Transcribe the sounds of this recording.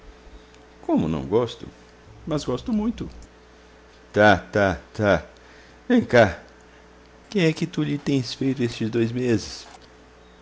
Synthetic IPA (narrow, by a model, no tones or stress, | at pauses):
kõmʊnɐ̰̃w̃ɡɔst̪ʊ̰ | mɐzɡɔst̪ʊmũj̃t̪ʊ | t̪at̪at̪a | vẽj̃ka | kẽj̃ɛkɪt̪uʎɪt̪ẽj̃sfejt̪ʊest͡ʃɪzd̪ojzmezɪs